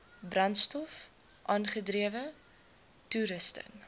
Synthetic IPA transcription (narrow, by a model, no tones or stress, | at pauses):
brɐntstɔf | ʔɑːnχədriəvə | tuɾəstə̰n